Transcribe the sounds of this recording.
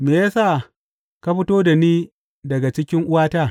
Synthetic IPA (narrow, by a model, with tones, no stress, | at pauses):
meː˨ja˦sa˦˨ | ka˦ɸɪ˦toː˦da˨niː˦ | dɐ˨ɡa˨t͡ʃɪ˦kʲɪ˦ŋʔʊ˦waː˦taː˦˨